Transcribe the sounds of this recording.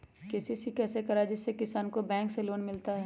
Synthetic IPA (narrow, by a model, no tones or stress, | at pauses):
keːsisikɛːsekɐɾaɛd͡ʒɪsːekɪsaːnkobɛ̃ːŋkseloːnmɪlt̪aɦɛː